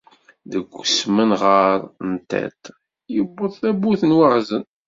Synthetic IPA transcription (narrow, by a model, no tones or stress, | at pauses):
ðəɡʷːʊsmənʁəɾˤənt̪æ̰t̪ | jəbːəðˤθæbuθənwəʁzən